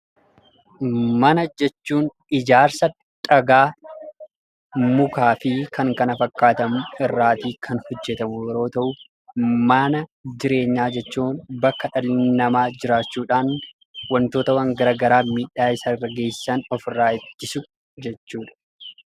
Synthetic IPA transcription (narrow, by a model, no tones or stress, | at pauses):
mɐnɐd͡ʒɛt͡ʃːuːn | ɪd͡ʒaːɾsɐ | ᶑɐɡaː | mʊkaːfɪkɐŋkɐnɐfɐkːaːt̪ɐmʊɪrːaːt̪iːkʰɐnhɔd͡ʒːɛt̪ɐmʊjɛɾo̞ːt̪ɐʔʊ | mɐnɐd͡ʒɪɾe̞ːɲːaːd͡ʒɛt͡ʃːuːnbɐkːɐᶑɐlɪnɐmaːd͡ʒɪɾaːt͡ʃːuːᶑaːn | wɐnt̪o̞ːt̪ɐwɐŋɡɐɾaːɡɐɾaːmiːᶑaːɪsɐrːɐɡe̞ːsːɐnɔfɪrːaːɪd̪ːɪsʊ | d͡ʒɛt͡ʃːuːᶑɐ̥